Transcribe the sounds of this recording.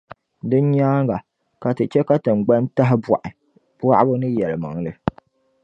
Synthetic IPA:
dɨ˦n˦ɲaː˦ŋɡa˨ | ka˨tɨ˨t͡ʃɛ˦ka˦tɨ˨ŋ˨ɡ͡ba˦nta˦ɦɪ˦ba˨ʔɪ˨ | b̥wa˦ʔbʊ˦nɨ˦jɛ˨lɨ˨ma̰˨ŋ˦lɨ˨

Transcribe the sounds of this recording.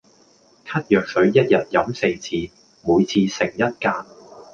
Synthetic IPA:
kʰɐ˥t̚jœː˨k̚sɵ˨˥ɥjɐ˥t̚jɐ˨t̚jɐ˨˥mse˧jt͡sʰiː˧ | muː˨˧jt͡sʰiː˧sɪ˨˩ŋjɐ˥t̚kaː˧n

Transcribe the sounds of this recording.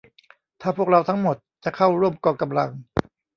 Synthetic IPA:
t̪ʰaː˥˩pʰu˥˩ək̚ɾa˧wt̪ʰa˦˥ŋmo˨˩t̪̚t͡ɕa˨˩kʰa˥˩wɾu˥˩əmkɔː˧˩ka˧mla̰˧ŋ

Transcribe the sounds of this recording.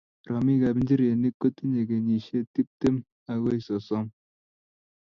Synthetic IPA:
ɾɔ˨mi˦ɡa˨bn̩˦d͡ʒi˦ɾe˨ni˦kːo˦ti˦ɲe˨ɡe˨ɲi˨ʃe˦ti˦p̚te˦m | a˨ɡo˦i˨sɔ˨sɔ˦ŋ

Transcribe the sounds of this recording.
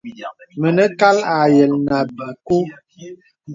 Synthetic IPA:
mə˨nə˦ka˦la˨jə˨lna˨bə˨ku˦

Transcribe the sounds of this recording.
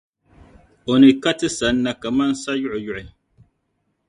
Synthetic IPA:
o˨nɨ˨ka˦tɨ˦sa˨˦n̩ː˦a˦ka˨ma˦n˦sa˦jʊ˦ʔʊ˨jʊ˨ʔʊ˨

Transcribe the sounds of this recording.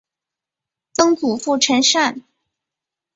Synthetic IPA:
t͡sɤ˥ŋt͡su˨˩fu˥˩ʈ͡ʂʰə˧˥nʂa˥˩n

